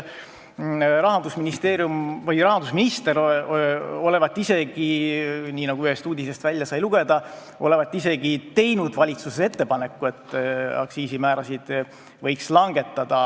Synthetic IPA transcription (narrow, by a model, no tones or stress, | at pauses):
ɾɑɦɑnd̪usminist̪eːɾjumvɤjrɑɦɑnd̪̥usminist̪e̞ɾ | o̞le̞vɑt̪ːˑise̞ɡiniːnɑɡ̥uyhest̪uːd̪ʲise̞st̪vælʲjɑsɑjluɡ̥e̞d̪̥ɑ | ole̞vɑt̪ːˑise̞ɡ̥it̪e̞jnud̪̥vɑlʲit̪suse̞t̪ːe̞pɑne̞kːue̞t̪ːˑɑ̰ksiːsimæːɾɑsid̪̥ | vɤjkslɑŋɡ̥e̞t̪ˑːɑd̪̥ɑ